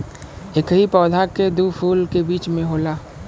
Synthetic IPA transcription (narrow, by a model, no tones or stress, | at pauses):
ekɦipɔːd̪ʱaked̪uːpʰuːlkebiːt͡ʃmẽɦoːlaː